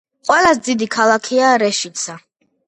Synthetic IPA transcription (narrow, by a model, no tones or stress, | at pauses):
qʼwɛlasd̪zid̪ikʰalˠakʰiaɾɛʃit̪sʰa